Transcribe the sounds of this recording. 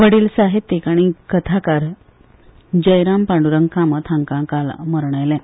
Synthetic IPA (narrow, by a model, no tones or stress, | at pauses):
ʋəɽiːlsaɦet̪ːekaɽ̃ikət̪ʰakaɾ | d͡ʑəjɾampaɳɖuɾəŋkʰãmət̪ʰãŋkãkalməɾɳəjlɛ̃